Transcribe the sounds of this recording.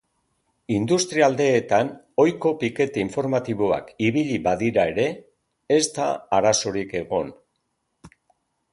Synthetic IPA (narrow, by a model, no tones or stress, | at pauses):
ind̪ust̪ɾiald̪e̞ːt̪an | o̞jko̞pike̞t̪aiɱfo̞ɾmat̪iβo̞a̰kiβiʎiβaðiɾae̞ɾe̞ː | st̪a̰ːɾaso̞ɾike̞ɣo̞n